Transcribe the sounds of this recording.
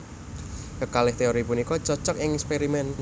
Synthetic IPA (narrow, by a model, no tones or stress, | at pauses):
səkalɪht̪eoɾipunikɔt͡ʃɔt͡ʃɔkɪŋɛkspeɾimɛn